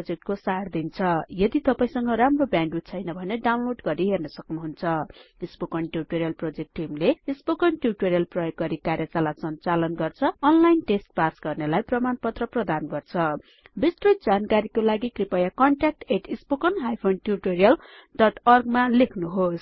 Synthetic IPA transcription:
d͡zek̚ʈ̚kosard̪int͡sʰʌjʌd̪it̪ʌpaĩsʌŋɡʌɾamrobjanɖut̪t͡sʰʌjnʌbʱʌneɖawnloɖɡʌɾiɦernʌsʌknuɦunt͡sʰʌispokʌnʈjuʈoɾijʌlprod͡zek̚ʈːimleispokʌnʈjuʈoɾijʌlprʌjoɡːʌɾikarjʌt͡salatsʌnt͡salʌnɡʌrt͡sʰʌːnlajnʈesʈ̚pasɡʌrnelajprʌmanpʌt̪rʌprʌd̪anɡʌrt͡sʰʌ | bist̪roj̪̚d͡zankaɾikolaɡikripʌjakʌɳʈak̚ʈeʈispokʌnɦajpʰonʈjurʈoɾijʌl | ɖʌʈʌrɡmalekʰnuɦos

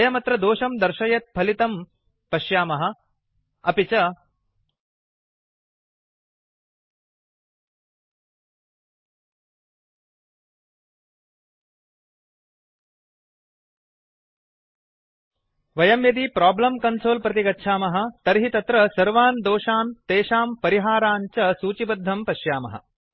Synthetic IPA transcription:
jɐmɐt̪ɾɐd̪oːʃɐmd̪ɐɾʃɐjɐt̪̚pʰɐlit̪ɐm | pɐʃjaːmɐɦɐ̆ | ɐpit͡ʃɐ | ʋɐjɐmjɐd̪ipɾaːblɐmkɐnsoːlpɾɐt̪iɡɐtːʃʰaːmɐɦɐ̆t̪ɐɾɦit̪ɐt̪ɾɐsɐɾʋaːnd̪oːʂaːnt̪eːʃaːmpɐɾiɦaːɾaːɲt͡ʃɐsuːt͡ʃibɐd̪ʱːɐmpɐʃjaːmɐ̰ɦɐ̰

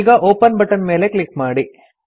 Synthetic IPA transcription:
ɡɐʔoːpɐnbɐʈːɐnme̞ːlekɭikmaːɽi

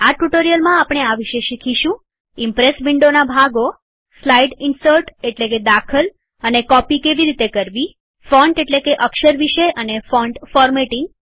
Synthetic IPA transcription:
aʈuʈoɾijəlmãapɽ̃eaʋiʃeʃikʰiʃũ | impɾesbiɳɖonabʱaɡo | slaiɖɪnsəɾʈeʈleked̪akʰəl | ənekɔpikeʋiɾit̪ekəɾʋi | fɔɳʈeʈlekeʔəkʃəɾʋiʃeʔənefɔɳɖfɔɾmeʈɪŋɡ

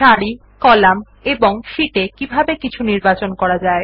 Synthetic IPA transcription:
ʃaɽi | kɔlam | eboŋʃiʈekibʱabekit͡ɕʰuniɾbat͡ɕonkɔɾad͡ʑae

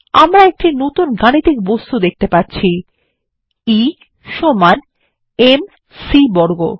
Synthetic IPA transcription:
a̰mɾaek̚ʈinot̪unɡañit̪ik̚bost̪ud̪ek̚ʰt̪epaɾt͡ɕʰi | i | ʃoman | em | sibɔɾɡo

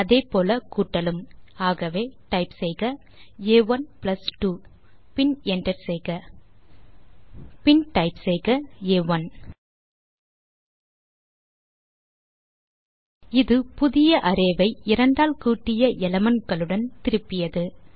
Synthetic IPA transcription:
ɐðeːpoːlɐkuːʈːɐlɯmaːɣɐʋeːʈɐɪpsɛɪɣɐ | eːʋɐnplɐsʈu | pɪnɛɳɖɐɾsɛɪɣɐ | pɪnʈɐɪpsɛɪɣɐeːʋɐn | ɪðɯpʊðɪjɐʔɐɾeːʋɐɪɪɾɐɳɖaːlkuːʈːɪjɐʔɛlɐmɐnkɐɭɯɽɐnt̪ɪɾɯpːɪjɐðɯ

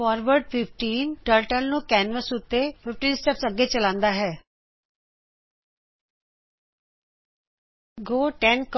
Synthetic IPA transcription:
ɔːɾʋəɾɖpʰɪpʰʈiːnʈəːɾʈəlnũːkɛːnʋəsʊt̪ːeːpʰɪpʈiːnsʈɛpsəɡːeːt͡ʃəlãːnd̪aːɦɛː | ɡoːʈɛnk

